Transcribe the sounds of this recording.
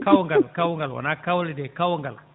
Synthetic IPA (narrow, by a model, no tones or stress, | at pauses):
kawɔŋɡalkawuŋɡalwa̰nakawlidekawɔŋɡal